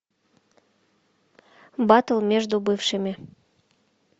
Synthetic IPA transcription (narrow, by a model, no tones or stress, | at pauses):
bɑt̪əlˠmʲeʐd̪ubɨfʃəmʲe